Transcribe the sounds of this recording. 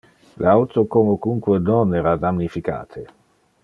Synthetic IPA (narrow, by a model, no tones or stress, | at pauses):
lḛawt̪okomokuŋkwenonɛːɾad̪amnifika̰ːt̪ʰe